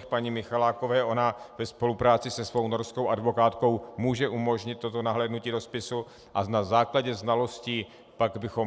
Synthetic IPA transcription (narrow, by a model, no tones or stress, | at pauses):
xpaɲimɪxalaːko̞vɛːʔo̞navɛspo̞lupɾaːt͡sɪsɛsvo̞wnoɾskowʔadvo̞kaːt̪ko̞wmuːʒɛʔumo̞ʒɲɪt̪ːo̞t̪o̞naɦlɛːdnuciːdo̞spɪsu | ʔanazaːklaɟɛznalo̞sciː | paɡbɪxo